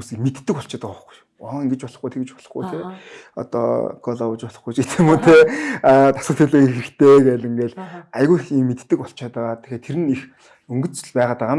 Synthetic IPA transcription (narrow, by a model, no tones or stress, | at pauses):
muːsikmet̪ːɘ̆kɔɬt͡ɕaːt̪əʊχɡu̥j | ɔ̆ːŋɡet͡ɕpɔɮɞ̆χɡujt̪ʰeɡet͡ɕpɔ̥ɮɞ̆χɡujt̪ʰeɔ̰t̪ɔ̰ɡɔɮɔwə̆t͡ɕpɔɮɞ̆χɡujt͡ɕet̪ʰeːmuːt̪ʰeːt̪ḁsə̆kt̪ʰiɮeːxeɾɘ̆xt̪ʰeːɡeːɮĭŋɡeːɮajɣuːxiːŋmet̪ːɘ̆kɔɬt͡ɕaːt̪aʁaːt̪ʰe̥xeːt̪ʰeɾɘ̆nix | ɵŋɡɵ̆t͡s̆ɮpæːʁaːt̪aʁaːm